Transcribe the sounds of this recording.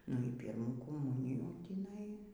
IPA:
nʊ iː ˈpʲiːrmuː koːˈmʊnʲɪjuː tʲiːˈnɐɪ

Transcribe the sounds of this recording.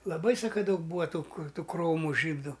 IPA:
lˠɐˈbɐɪ ˈsɑːkɐ ˈdɐʊk ˈbuːʋɐ ˈtuː ˈkʊr ˈtuː kroːmʊ ˈʒʲiːdʊ

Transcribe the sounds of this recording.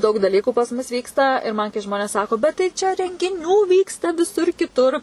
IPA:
ˈdɐʊk dɐˈlʲiːkʊ pɐs ˈmʊs ˈʋʲiːkstɐ ɪr ˈmɐn kɐɪ ˈʒmoːnʲeːs ˈsɑːkoː bʲɛt tɐɪ ˈt͡ʃʲɛ rʲɛŋʲɡʲɪˈnʲuː ˈʋʲiːkstɐ ʋʲɪˈsʊr kʲɪˈtʊr

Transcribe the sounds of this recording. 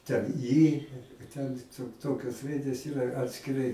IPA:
tʲɛn ˈiː tʲɛn ˈtoː ˈtoːkʲoːs ˈrɐɪdʲeːs ˈiːrɐ ɐtʲsʲkʲɪˈrɐɪ

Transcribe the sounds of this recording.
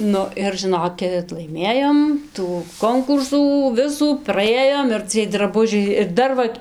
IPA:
ˈnʊ ɪr ʒɨˈnoːkʲɪt lˠɐɪˈmʲeːjoːm tuː ˈkoːŋkʊrsuː ˈʋʲɪsuː prɐˈeːjoːm ɪr t͡sʲiɛj drɐˈbʊʒʲɛɪ ɪr ˈdɐr ʋɐ

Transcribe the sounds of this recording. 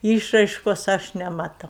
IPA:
ˈiːʃrɐɪʃkoːs ˈɐʃ nʲɛmɐˈtɐʊ

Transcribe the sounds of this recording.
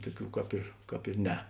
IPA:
ˈtuɔˌkʲuː ˈkɑːp ɪr ˈkɑːp ɪr ˈnʲɛ

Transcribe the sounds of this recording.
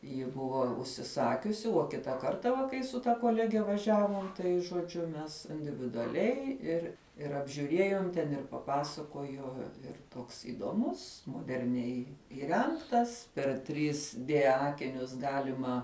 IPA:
jɪ ˈbʊʋoː ʊʃʲsʲɪˈsɑːkʲʊsʲɪ uɔ ˈkʲɪtɐ ˈkɐrtɐ ʋɐ ˈkɐɪ sʊ tɐ koːˈlʲæːɡʲɛ ʋɐˈʒʲæːʋoːm ˈtɐɪ ʒoːˈd͡ʒʲʊ ˈmʲɛs ɪnʲdʲɪʋʲɪdʊɐˈlʲɛɪ ˈɪr ɪr ɐbʲʒʲuːˈrʲiɛjoːm tʲɛn ɪr pɐˈpɑːsɐkoːjoː ɪr ˈtoːks iːdoːˈmʊs moːdʲɛrʲˈnʲɛɪ iːˈrʲɛŋktɐs pʲɛr tʲrʲiːs dʲeː ˈɑːkʲɪnʲʊs ˈɡɑːlʲɪmɐ

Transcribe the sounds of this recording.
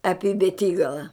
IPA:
ˈɑːpʲɪ bʲɛˈtʲiːɡɐlˠɐ

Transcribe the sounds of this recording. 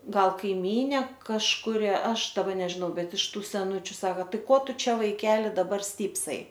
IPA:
ˈɡɐlˠ kɐɪˈmʲiːnʲeː kɐʃkʊˈrʲɪ ˈɐʃ dɐˈbɐ nʲɛʒʲɪˈnɐʊ ˈbʲɛt ɪʃ ˈtuː sʲɛˈnʊt͡ʃʲʊ ˈsɑːkɐ ˈtɐɪ ˈkoː ˈtʊ ˈt͡ʃʲɛ ʋɐɪˈkʲæːlʲɪ dɐˈbɐr ˈsʲtʲiːpsɐɪ

